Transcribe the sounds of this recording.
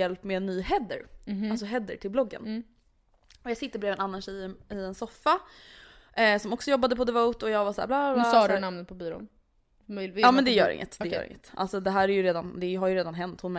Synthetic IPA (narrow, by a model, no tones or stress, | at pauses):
ɛlpːmɛɛnːyːhɛd̪ːə̰ɾalsɔɦɛd̪ːəʈʰɪlblɔɡːə̰n | ɔjɑːɡsɪt̪ːəbɾeːvɛnanːanʂɛjɪɛnsɔfːa | sɔmɔksɔjɔbːad̪əpʰɔd̪ɛvowt̪ɔjɑːɡvasaæ̰ːblaːblsɑːd̪namnət̪̚pʰɔbiːɾṵːn | mɑːmɛnd̪ɛjœ̰ːɾɪ̰ŋːət̪d̪ɛjœ̰ːɪ̰ŋːət̪ʔa̰lsɔd̪ɛɦæːɾæɾjɵɾeːd̪and̪ɛjɦaɾjɵɾeːd̪anɦɛnt̪hʊnmɛ